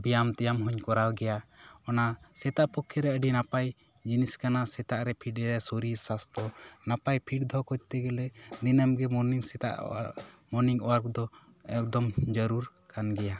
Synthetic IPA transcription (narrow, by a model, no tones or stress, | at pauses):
bijamt̪ɛjamɦɔɲkɔɾawɡɛjaɔnasɛt̪aʔpɔkʰːɛɾɛəɖinapaj | d͡ʒiniskanasɛt̪aʔɾɛpʰiʈɛɾɛsoɾisast̪ɔnapajpʰiʈd̪ʱɔkɔc̚t̪ɛɡɛlɛd̪inəmɡɛmɔɾniŋsɛt̪a̰ʔmɔniŋɔ̰waɾkd̪ɔ | ɛk̚d̪ɔmd͡ʒəɾuɾkanɡɛja